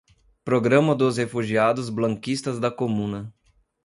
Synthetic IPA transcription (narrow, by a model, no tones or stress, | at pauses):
pɾoɡɾɐ̃mɐd̪ʊshefuʒiad̪ʊzblɐ̃ŋkist̪ɐzd̪ɐkomũnɐ